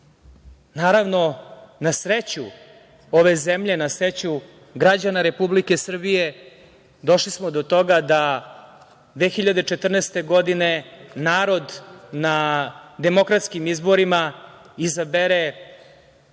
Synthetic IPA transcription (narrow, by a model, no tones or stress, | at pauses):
naːɾaʋno̞nasɾet͡ɕu | o̞ʋe̞zemʎenasɾet͡ɕu | ɡɾad͡ʑanaɾe̞publike̞sr̩bije̞ | d̪o̞ʃlismod̪ot̪o̞ɡad̪a | d̪ʋeːxiʎad̪et͡ʃet̪r̩neːst̪e̞ɡo̞d̪ine̞naːɾo̞d̪nad̪e̞mo̞kɾat̪skimizbo̞ɾima | izabeɾe